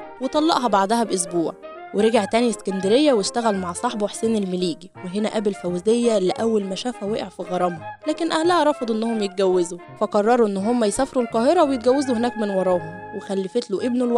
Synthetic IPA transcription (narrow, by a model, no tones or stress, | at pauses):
wet̪ˤɑlːɑ̰ʔɦɑbaʕd̪æhæbʔos̬buːʕ | weɾeɡeʕt̪æːniskænd̪æɾejːæweʃt̪æɣælmaʕsˤɑħbweħsiːnelmeliːɡiweɦenæʔæbelfæwzejːæleʔæwːælmæʃæːfæweʔeʕfiɣɑɾˤɑmhɑlæːkenʔæhlæhæɾˤɑfɑd̪ˤʔenːohomjet̪̚ɡæwːezufæqɑrˤːɑɾˤuʔenːɦomːæjesæfɑɾulqɑːheɾˤɑwejet̪̚ɡæwːæzuhenæːkmenwɑɾˤɑːhomwexælːefet̪loʔebnolw